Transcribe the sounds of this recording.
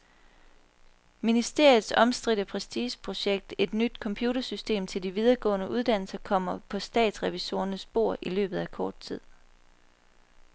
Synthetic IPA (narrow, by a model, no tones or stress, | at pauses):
minisd̥e̝ɐ̰jð̩ˠsɒ̽msd̥ʁid̥əpʰʁɛsd̥iːɕpʰʁo̝ɕeɡ̥̚d̥e̝d̥nyd̥̚kʰɒ̽mpʰjuːɾɐsysd̥e̝̰ːmt͡sʰe̝ld̥iʋið̞ˠɐɡ̥ɔ̰̽ːnəʔuð̞ˠd̥æn̰l̩sɐkʰɒ̽m̰ɐpʰɒ̽sd̥ɛ̰ːd̥sʁɛʋiso̝̰ːɐnəsb̥o̝ɐ̰ʔilø̰ːb̥ð̩ˠækʰɒːd̥̚t͡sʰið̰ˠ